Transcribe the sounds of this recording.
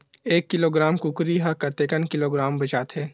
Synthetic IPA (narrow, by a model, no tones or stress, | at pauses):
eːkːɪloːɡɾaːmkʊkɾiɦakɐt̪eːkənkɪloːɡɾaːmbɐt͡ʃaːt̪ɦɛː